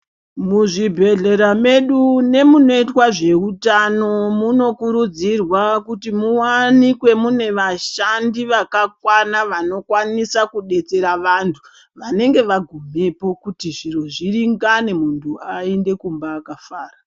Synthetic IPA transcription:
muʐibʱe̞ɮe̞ɾame̞ɗune̞muno̞itwaʐe̞utano̞muno̞kuɾud͡zirwakutimuwanikwe̞mune̞ʋaʃandiʋakakwanaʋano̞kwanisakuɗe̞t͡se̞ɾaʋantʰu̥ | ʋane̞ŋɡe̞ʋaɡʱume̞po̞kutiʐiro̞ʐiriŋɡane̞muntʰuaende̞kumbaːkafaːra

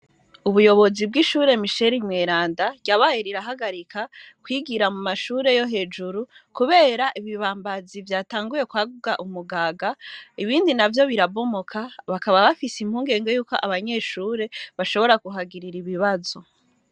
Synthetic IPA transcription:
uβujo̞βo̞zib̚ɡiʃuːɾe̞miʃe̞ɾimŋeːɾaːndaɟaβajeɾiɾaɦaɡaɾikʰa | kwiɡiɾamumaʃuːɾe̞jo̞ɦe̞ːd͡ʒuɾukuβe̞ːɾaʔiβiβaːmbazivjaːtaːŋɡuje̞kwaːɡuɡaʔumuɡaːɡaiβiːndinavjo̞βiɾaβo̞mokʰaβakaβaβafisimhuːŋɡe̞ːŋɡe̞juːko̞ʔaβaɲe̞ʃuːɾe̞βaʃo̞βo̞ɾaɡuɦaɡiɾiɾiβiβazo̞

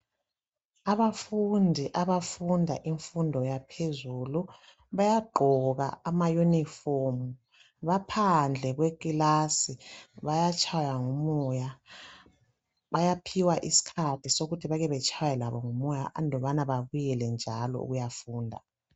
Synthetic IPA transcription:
aβafundʱiʔaβafundʱaʔiɱfundʱɔjapʰezuːlu | βajaɡ͡ǃʱɔɣa̰amajunifomu | βapʰand͡ɮʱɛɣwekʼilasiβajat͡ʃʰʼajaŋumɔja | βajapʰiwaʔisi̥kʰatʰisoɣutʰiβaɣɛβɛt͡ʃʰajɛlaβɔŋumɔja̰ʔnʱɔβanaβaβujɛlɛnd͡ʒʱalɔ̰ṵɣujafuːndʱa̰

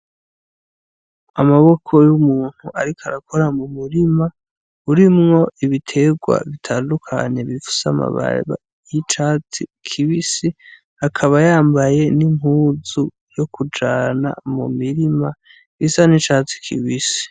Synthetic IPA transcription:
amaβokʰo̞jumuːn̥huʔaɾikʰaɾakʰoɾamumuɾima | uɾimŋo̞ʔiβitʰe̞ɡwa̰βitʰaːndukʰa̰ɲe̞βifu̥sama̰βa̰βa̰ | jit͡ʃaːt͡sikʰiβisi | hakʰaβajaːmbaje̞nimhuːzu | jo̞kʰud͡ʒana̰mṵmiɾima | isanit͡ʃaːt͡si̥kʰḭβisi̥

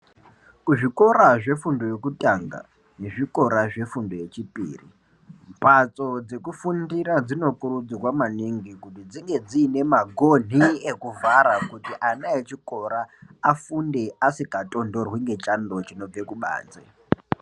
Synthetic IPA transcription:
kuʐiko̞ɾaʐe̞fundo̞jokutʼaŋɡa̰ | ne̞ʐikʼo̞ɾaʐe̞fundo̞je̞t͡ʃipʼḭːrḭ | mpat͡so̞d͡ze̞kufundiɾad͡zino̞kurud͡zirwamaniŋɡikutid͡ziŋɡe̞d͡ziːne̞maɡʱo̞n̤iekuvaɾakutiʔanaet͡ʃiko̞ɾaafunde̞ʔasikatʼo̞ndo̞rwiŋɡe̞t͡ʃʼandot͡ʃino̞b͡ve̞kuɓa̰ːt͡sḛ

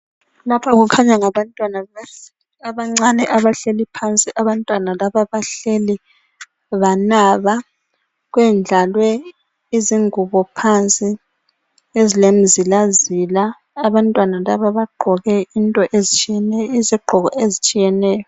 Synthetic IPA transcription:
lapʰaɣukʰaɲaŋaβantʼwanaesi | aβaŋ͡ǀanɛʔaβaɬelipʰant͡sʼiʔaβantʼwanalaβaβaɬeli | βanaːβa | ɣwɛnd͡ɮʱalwɛ | iziŋuβɔpʰant͡sʼi | ezilem̩zilazilaː | βantʼwanalaβaβaɡ͡ǃʱɔɣɛintʼɔʔezit͡ʃʼijɛnɛiziɡ͡ǃʱɔɣɔ̰ʔezit͡ʃʼijɛnɛːjɔ

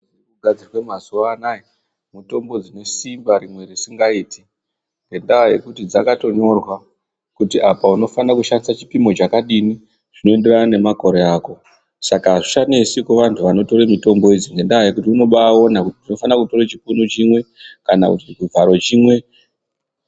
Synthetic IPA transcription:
kuɡʱad͡zirwemazuanaji | muto̞mbo̞d͡zine̞simbaɾimwe̞risiŋɡaiːti | ŋɡe̞ndaaje̞kutid͡zakato̞ɲo̞rwa | kutiapauno̞fanakuʃandisat͡ʃi̥pimo̞t͡ʃakaɗini | ʐ̥ino̞ende̞ranane̞mako̞ɾeaːko̞ | sakaʐiʃanesikuʋantʰuʋano̞to̞ɾemito̞mbo̞id͡ziŋɡe̞ndaaje̞kutiuno̞ɓao̞nakutiʐino̞fanakuto̞ret͡ʃikunut͡ʃimwe̞kana̰kutɡuvʱaɾo̞t͡ʃimwe̞

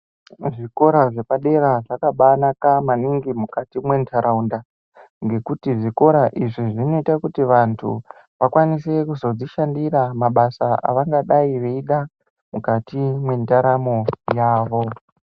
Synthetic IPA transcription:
ʐiko̞ɾaʐe̞paɗe̞ɾaʐakaɓanakamaniŋɡimukatimwe̞ntʰaɾʔaunda | ŋɡe̞kutiʐiko̞ɾaʔiʐiʐino̞itakutiʋantʰṵ | ʋakwanise̞kuzo̞d͡ziʃandiɾamaɓasaʔa̰ʋaŋɡaɗaiʋeiɗa | mukatimwe̞ndaɾamojaːʋo̞

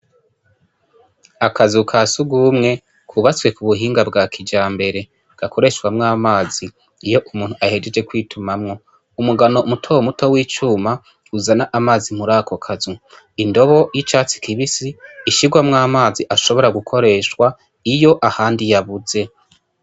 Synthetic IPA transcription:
akʰazukʰaːsuɡuːmŋe̞ | kʰuβat͡swe̞kuβuɦiːŋɡabɡaːkʰid͡ʒaːmbe̞ɾe̞ | ɡ̥akʰo̞ɾe̞ʃwamŋaːmaːziː | jo̞ʔumuːnhuʔahe̞d͡ʒed͡ʒe̞kwiːtʰumamŋo̞ | umuɡanomutʰowmuto̞wiːt͡ʃuːma | uzanaʔamaːzim̥uɾaːkʰokʰazu | indo̞βo̞jit͡ʃaːt͡si̥kiβisiːʃiɡwamŋaːmaːziʔaʃo̞βo̞ɾaɡukʰo̞ɾe̞ːʃwa | ijo̞ʔahaːndijaβuze̞

